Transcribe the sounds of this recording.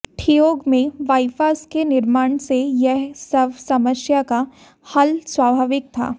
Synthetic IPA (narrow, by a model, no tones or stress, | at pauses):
ʈʰijoːɡmẽʋaːɪfaːskenɪɾmaːɳ̃sejɛɦsɐbsɐməsjaka | hɐlswaːbʱaːʋɪk̚t̪ʰa̰ː